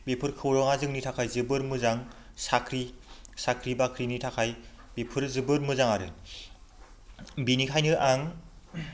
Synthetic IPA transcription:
bepʰɯɾkʰɯwɾɔŋazɯŋnitʰakʰajzɯbɯɾmɯzaŋ | sakʰɾisakʰɾibakʰɾinitʰakʰaj | bepʰɯɾzɯbɯɾmɯzaŋaɾɯ | binikʰajnɯʔaŋ

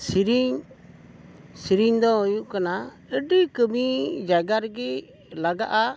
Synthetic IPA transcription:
siɾiɲ | siɾiɲd̪ɔujuʔkana | əɖikəmid͡ʒaɡaɾɡɛ | laɡaʔa

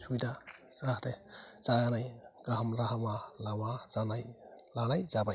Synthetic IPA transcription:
sujdasahɾɛz̥aɡanajɡaɦamɾaɦmalawazanajlanajzabaj

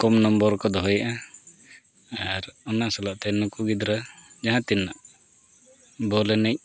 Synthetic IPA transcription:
kɔmnɔmbɔɾkɔd̪ɔɦɔjaʔa | aɾɔnasɔlaʔt̪ɛnukuɡid̪ɾad͡ʒaɦãt̪inːaʔ | bɔlɛnɛc̚ˀ

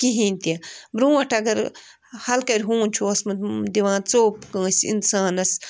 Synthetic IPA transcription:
kiɦĩːnʲt̪iɐbɾũːɐʈʰɐɡɐɾ | hɐlkɐɾʲɦũːnʲt͡ʃʰuɐsmɐd̪iʋãːnt͡soːpkɐ̃ːsʲḭnsaːnɐs

